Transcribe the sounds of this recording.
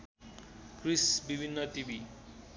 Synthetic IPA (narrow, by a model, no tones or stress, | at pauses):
krisbibʱinːʌʈibi